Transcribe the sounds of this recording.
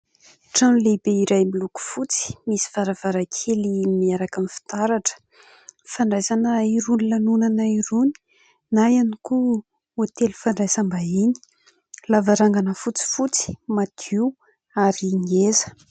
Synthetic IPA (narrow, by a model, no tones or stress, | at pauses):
ʈ͡ʂanlebeiɾajmiluku̥fut͡si̥misi̥vaɾav̥aɾakʰelimiaɾakamfi̥t̪aɾaʈ͡ʂə̥ | faɳɖ͡ʐajsanəiɾunilanunanaiɾuni̥ | najaniku | at̪elufaɳɖ͡ʐajsambaini̥ | lavaɾaŋɡanəfut͡si̥fut͡si̥mad̪̥iw | aɾiŋezə̥